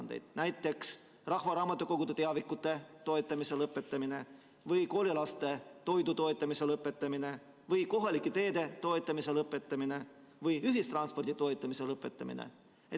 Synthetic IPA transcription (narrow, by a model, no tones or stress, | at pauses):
nd̪ejd̪̥næjt̪ːˑe̞ks | rɑhvɑɾɑːmɑt̪ːukoɡ̥ud̪̥et̪eɑvikːˑut̪ːˑe̞t̪o̞et̪ˑːɑmise̞lɤpːˑet̪ːˑɑmine̞ | vɯjko̞ːlʲilɑst̪e̞t̪o̞jd̪ut̪o̞et̪ːˑɑmise̞lɤpːˑe̞t̪ːˑɑmine̞ | vɯjko̞ɦɑlikːˑet̪e̞ːd̪̥e̞t̪o̞et̪ˑːɑmise̞lɤpːˑe̞t̪ːˑɑmine̞ | vɯjyɦist̪rɑnspo̞rd̪̥it̪o̞et̪ˑːɑmise̞lɤpːˑe̞t̪ːˑɑmḭnḛ | e